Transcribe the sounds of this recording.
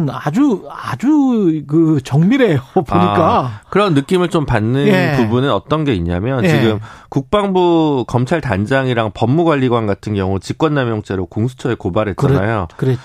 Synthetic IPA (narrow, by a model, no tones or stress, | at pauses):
nad͡ʑuad͡ʑukɯt͡ɕʌŋmiɾe̞jopoɲik͈akɯɾʌnːɯk͈imɯɭt͡ɕompanːɯnpubunɯnʌt͈ʌnɡe̞iɲamjʌnt͡ɕiɡɯmkuk̚p͈aŋbukʌmt͡ɕʰaɭtand͡ʑaŋiɾaŋpʌmːuɡwaʎːiɡwanɡatʰɯnɡjʌŋut͡ɕik͈wʌnːamjʌŋt͡ɕ͈e̞ɾokoŋsʰu̥t͡ɕʰʌekobaɾɦe̞t̚t͡ɕanajokɯɾe